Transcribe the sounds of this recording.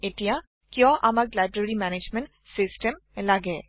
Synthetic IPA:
ɪʈija | kjɔ̃ːʔɐmɐklaːɪbɾəɾimɛːneːd͡ʒmə̃ɳʈ | sɪsʈəm | lɐɡeː

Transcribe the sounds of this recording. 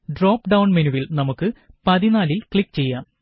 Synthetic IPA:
ɖroːpːɖɐwɳmenuʋilnɐmukːɨpɐðinaːlilkɭikːt͡ɕe̞jːaːm

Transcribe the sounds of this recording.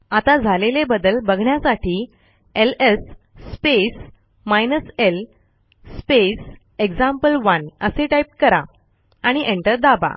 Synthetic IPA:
at̪ad͡zʱalelebəd̪əlbəɡʱɳjasaʈiː | elesː | pes | majnəsel | spes | ekd͡zãmpəlʋənəseʈajp̚kəɾa | aɽ̃iʔeɳʈəɾd̪aba̰

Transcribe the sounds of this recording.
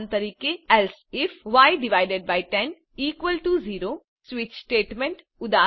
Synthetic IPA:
nt̪ɐɾiːkeɛlsɪfʋaːɪɖɪʋaːɪɖeɖ̚baɪʈɛ̃n | iːkʋəlʈuziːɾo | sʋɪt͡ʃsʈeːʈmẽɳʈ | ʊd̪aː

